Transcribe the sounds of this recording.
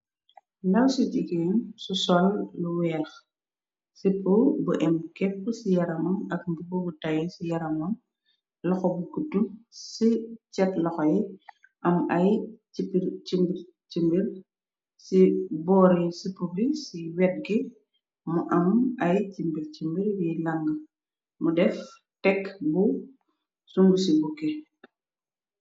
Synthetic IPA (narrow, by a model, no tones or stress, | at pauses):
nɐwsiɟiɡɛːnsusɔlːuwɛːrx | sipːobuʔɛmkɛpːəsijɐɾɐmɐnɐk̚mbibɔɡutɐjɛsijɐɾɐmɐm | lɔxɔbukutːusicɛtlɔxɔj | ʔɐmɐjcipːiɾt͡ʃimbiɾ | t͡ʃimbiɾ | sibɔːɾisipubisiwɛt̚ɡi | muʔɐmɐjcimbiɾcimbiɾwilɐŋɡɐ | mudɛf | tɛkbu | suŋɡusibukːɛ